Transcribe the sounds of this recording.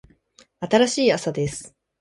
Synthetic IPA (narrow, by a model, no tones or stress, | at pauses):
at̪aɾaɕiːasad̪e̞sɨ̥